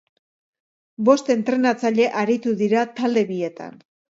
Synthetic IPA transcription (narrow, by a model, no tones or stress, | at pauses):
bo̞st̪e̞nt̪ɾe̞nat͡saʎe̞ʔaɾit̪uðiɾat̪ald̪e̞βie̞t̪a̰n